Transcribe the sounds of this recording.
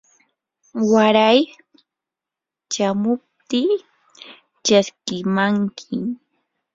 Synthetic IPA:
waɾaj | t͡ʃamʊp̚t̪iː | t͡ʃaskɪmaŋkʰɪ

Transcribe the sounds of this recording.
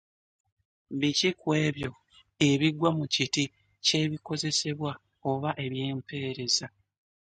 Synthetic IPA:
βicikwe̞ːβjo̞ | e̞βiɡwamuciti | ce̞βiko̞ze̞se̞βwa | oβaʔe̞βje̞ːmpe̞ːɾe̞za

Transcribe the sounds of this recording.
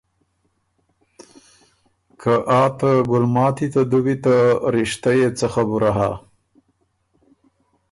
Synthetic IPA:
kʰaʔɑt̪aɡʊlmɑt̪it̪ad̪uwit̪aɾɪʃt̪ajet͡səxabuɾaɦa

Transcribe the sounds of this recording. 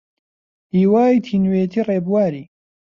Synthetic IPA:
hiːwaːjt̪ʰiːnweːt̪ʰireːbwaːɾiː

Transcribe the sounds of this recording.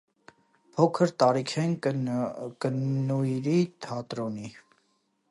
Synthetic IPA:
pʰɔkʰəɾt̪ɑɾikʰɛn | kənnujɾit̪ʰɑt̪ɾɔni

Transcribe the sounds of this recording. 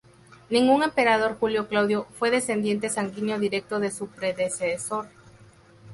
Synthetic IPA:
nĩŋɡuŋe̞mpe̞ɾað̞o̞ɾxuljo̞klawðjo̞fwe̞ðe̞se̞nd̪je̞nt̪e̞saŋɡiɲjo̞ðiɾe̞k̚t̪o̞ðe̞supɾe̞ðeseso̞ɾ

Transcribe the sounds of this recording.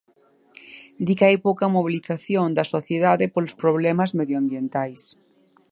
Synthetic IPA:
d̪ikaejpowkɐmoβ̞iliθaθjond̪ɐsoθjeðaðepolospɾoβ̞lɛmazmeðjoambjent̪ajs

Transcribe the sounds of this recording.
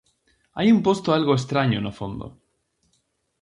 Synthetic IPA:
ajumpost̪oalɣoes̬t̪ɾaɲonofond̪o̰

